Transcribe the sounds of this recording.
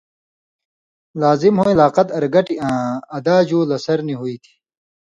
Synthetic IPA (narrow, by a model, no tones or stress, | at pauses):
laːzimhoːilaːqɐt̪ɐɾɡɐʈiʔãːɐd̪aːd͡ʑuːlɐsɐɾniɦuit̪ʰi̥